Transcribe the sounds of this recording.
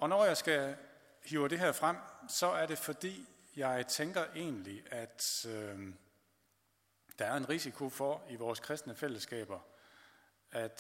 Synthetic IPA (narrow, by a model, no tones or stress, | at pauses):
ɒ̽nɒjɑ̈ɪsɡ̥æ | hyːʊəd̥e̝ɦæɐfʁam̰sɒ̽æɐɾ̥e̝fɒ̽d̥ḭː | jɑ̈ɪt͡sʰeŋɡ̥ɐʔe̝̰ːnliʔæd̥ | d̥ɑ̈æɐe̝nʁisikʰo̝fɒ̽iʋɒːskʰʁɛsd̥nəfel̰əsɡ̥ɛ̰ːb̥ɐ | æd̥